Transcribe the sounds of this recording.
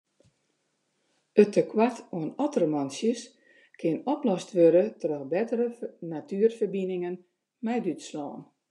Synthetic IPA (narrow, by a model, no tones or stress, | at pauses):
ətʰəkʰwatoənɔtərəmɔnsjəs | kʰɪənɔplɔstʋøɾətrɔxbɛtərənatʰyərfərbinɪŋən | mɛjdytslɔːn